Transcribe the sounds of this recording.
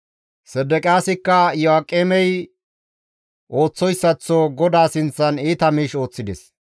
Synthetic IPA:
sɛd̪ɛkʼɪjaːsɪkːɐjɔakʼːeːmɛj | ʔo̞ːt͡sːɔjsːɐt͡sːoɡɔd̪aːsɪnt͡sːɐniːt̪ɐmiːʃo̞ːt͡sːɪd̪ɛs

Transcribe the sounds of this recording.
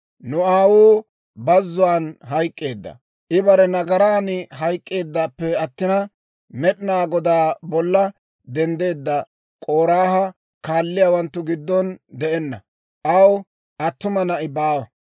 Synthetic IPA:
nʊaːwuː | bɐzːʊwaːnɦɐjkʼːe̞ːd̪ːɐ̰ | ʔɪbɐɾɛnɐɡɐɾaːnɪɦɐjkʼːe̞ːd̪ːaːpːɛɐt̪ːɪnɐ | mɛɗɪnaːɡɔd̪aːbɔlːɐ | d̪ɛnd̪e̞ːd̪ːɐ | kʼo̞ːɾaːhɐ | kaːlːɪjaːwɐnt̪ːʊɡɪd̪ːɔnd̪ɛʔɛnːɐ | ʔɐw | ʔɐt̪ːʊmɐnɐʔɪbaːwɐ

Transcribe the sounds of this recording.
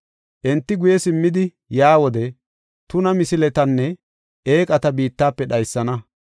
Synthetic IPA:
ʔɛnt̪ːɪɡʊjɛsɪmːɪd̪ɪ | jaːwɔd̪ɛ | t̪ʊnɐmɪsɪlɛt̪ɐnːɛ | eːkʼɐt̪ɐbiːt̪ːaːpːɛɗɐjsːɐnɐ

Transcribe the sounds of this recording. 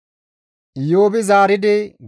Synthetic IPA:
joːbɪzaːɾɪd̪ɪɡ

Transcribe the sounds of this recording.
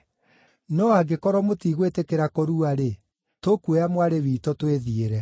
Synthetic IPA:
nɔaɡekɔɾɔmotiːɣwetekeɾakoɾuaɾe | tokueamwaɾewiːtɔtweðieɾɛ

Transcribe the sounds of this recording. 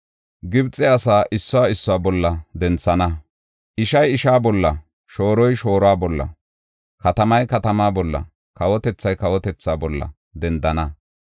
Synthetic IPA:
ɡɪbt͡sʼːɛɐsaːʔɪsːɔwaːɪsːɔwaːbɔlːɐd̪ɛnt͡sːɐnɐ | ʔɪʃɐjɪʃaːbɔlːɐ | ʃo̞ːɾɔjʃo̞ːɾɔaːbɔlːɐ̰ | kɐt̪ɐmɐjkɐt̪ɐmaːbɔlːɐ̰ | kɐwɔt̪ɛt͡sːɐjkɐwɔt̪ɛt͡sːaːbɔlːɐ̰ | d̪ɛnd̪ɐnɐ

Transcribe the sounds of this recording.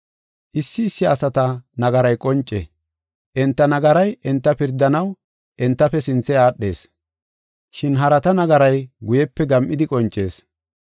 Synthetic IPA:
ʔɪsːɪːsːɪɐsɐt̪ɐnɐɡɐɾɐjkʼɔnt͡ʃʼːɛ̰ | ʔɛnt̪ːɐnɐɡɐɾɐjɛnt̪ːɐpɪɾd̪ːɐnɐw | ʔɛnt̪ːɐpːɛsɪnt͡sːɛjaːɗːe̞̰ːs | ʃɪnɦɐɾɐt̪ɐnɐɡɐɾɐjɡʊjɛpːɛɡɐmʔɪd̪ɪkʼɔnt͡ʃʼːe̞ːs

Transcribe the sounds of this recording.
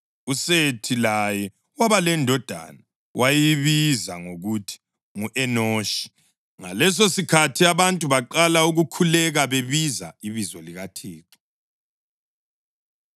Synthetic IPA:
usetʰilajɛ | waβalɛndʱɔd̥ʱa̰na | wʔajiiβiza̰ŋoɣutʰi̥ | ŋuʔɛnoːʃi̥ | ŋa̰lɛs̬osikʰatʰiaβantʼuβaǃalauɣukʰulɛɣaβeβiza̰iβizɔliɣatʰiːǃi̥

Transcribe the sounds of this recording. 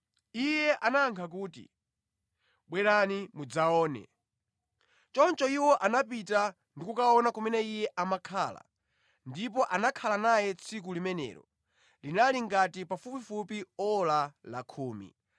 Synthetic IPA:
ijɛʔanaŋkʰak̬uːtḭ | ɓwɛɾanimud͡zaɔːnɛ̰ | t͡ʃɔnt͡ʃɔiwɔʔanap̬ita | ndikukaɔnakumɛnɛijɛʔamakʰaːla̰ | ndipɔʔanakʰalanajɛt͡sʰik̬ulimɛnɛ̰ːɾɔ̰ | linaliŋɡatipafupifupiɔlala̰kʰuːmḭ

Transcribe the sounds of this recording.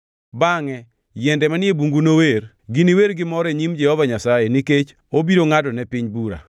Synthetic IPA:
baŋɛ | jɛndɛmanɪebuŋɡunower | ɡɪniweɾɡɪmɔɾeɲimd͡ʒɛhɔvaɲasajeniket͡ʃ | obiɾoŋadɔnɛpɪɲbuɾa̰

